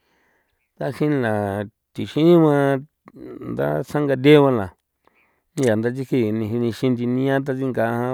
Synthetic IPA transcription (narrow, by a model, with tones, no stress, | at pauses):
t̪a˧ʃĩ˦n˧la˨ | t̪i˨ʃĩ˦mã˧ | nd̪a̰˦sã˦ŋɡa˧d̪ʲe˦βã˧lã˨ | nĩ˧ja˨nd̪a˧t͡ʃ̬i˦ki˧nĩ˧ɦnĩ˧ʃĩ˧nd̪i˧nĩ˦ã˦t̪̬a˦˧t͡si˦ŋɡa˧hã˧